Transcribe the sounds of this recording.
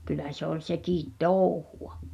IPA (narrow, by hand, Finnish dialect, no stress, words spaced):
kylˑæ se ol sekiˑt toˑuhuɑ